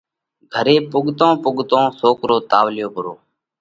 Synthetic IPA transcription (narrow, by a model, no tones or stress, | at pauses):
ɡʱəɾeːpʊɠt̪õːpʊɠt̪õːsoːkɾoːt̪aːʋlɪjoːpʊɾoː